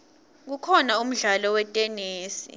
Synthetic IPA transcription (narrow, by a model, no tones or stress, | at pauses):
k̬ukʰɔnaum̩ɮalɔwɛtʼɛneːsḭ